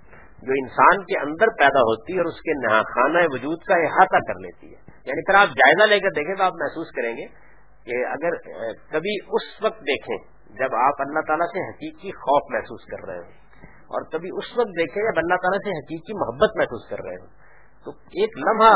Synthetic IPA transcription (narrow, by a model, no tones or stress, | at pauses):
d͡ʒoːɪnsaːnkeʔɐ̰̃nd̪əɾpɛːd̪aɦoːt̪iɔːɾʊskenɐɦaːxaːnaeʋʊd͡ʒuːd̪kaɪɦaːt̪akɐɾlḛːt̪ḭɦɛ̰ːjaːnipʰɪɾaːp̚d͡ʒaːɪzaleːkɐɾd̪eːkʰẽt̪oaːpmɛɦsuːskɐɾẽːŋɡeː | keɐ̰ɡəɾkɐbʱiʊsʋɐk̚t̪̚d̪eːkʰḛ̃ | d͡ʒɐbaːpɐlːaɦt̪aːlaseɦɐkiːkːixɔːfmɛɦsuːskɐ̰ɾːɐ̰ɦḛ̃ɦõ | ɔ̰ːɾkɐbʱiʊsʋɐk̚t̪̚d̪eːkʰẽd͡ʒɐbɐlːaɦt̪aːlaseɦɐkiːkimʊɦəbːət̪mɛɦsuːskɐ̰ɾːɐ̰ɦḛ̃ɦõː | t̪o | eːklɐ̃mɦa